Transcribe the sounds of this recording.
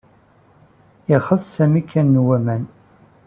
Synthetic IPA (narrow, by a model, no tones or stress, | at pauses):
ɪχəsːæmikʰːænːwæmæn